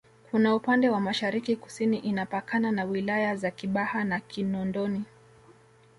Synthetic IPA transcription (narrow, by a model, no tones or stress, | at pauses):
kʰunaupandɛwamaʃaɾikiku̥siniʔinapakananawilajazakiɓahanakʰinɔndɔni